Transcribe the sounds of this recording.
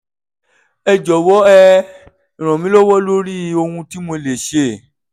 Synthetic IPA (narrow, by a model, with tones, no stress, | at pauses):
ɛ˧d͡ʒɔ˨wɔ˦ɛ˦˧ | ĩ˨ɾ̃ã˨mĩ˨˦lɔ˦wɔ˦lo˦ɾi˦˧˦o˧hũ˧ti˨˦mo˧le˨ʃe˨